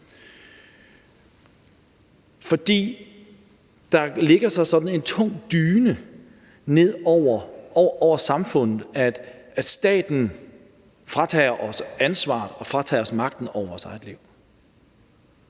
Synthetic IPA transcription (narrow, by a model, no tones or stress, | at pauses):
fɒ̽d̥ḭː | d̥ɑ̈le̝ɡ̥ɐsɑ̈ɪsɒ̽d̥n̩e̝nt͡sʰɔ̽ŋ̰d̥yːnə | ne̝ð̰ˠɒʊ̰ɐɒɒʊɐsɑ̈mfɔ̽n̰ð̩ˠæ̥æd̥sd̥ɛ̰ːd̥n̩ | fʁɑ̈t͡sʰɛʔɒsænsʋɑ̰̈ð̩ˠɒ̽fʁɑ̈t͡sʰɛ̰ːɒ̽smɑ̈ɡ̥̚d̥n̩ɒʊɐʋɒsɑ̈ɪðˠle̝ʊ̰